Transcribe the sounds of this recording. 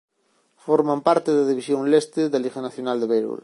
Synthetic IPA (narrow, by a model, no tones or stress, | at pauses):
foɾmampaɾt̪eðaðiβisjoŋlest̪eðalixanaθjonald̪eβejɾṵl